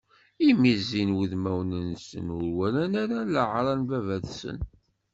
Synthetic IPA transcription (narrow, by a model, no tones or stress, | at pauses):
imizinwiðmæwnənsə̰nʊɾwælænæɾæləʕɾˤɑnvævæðsə̰n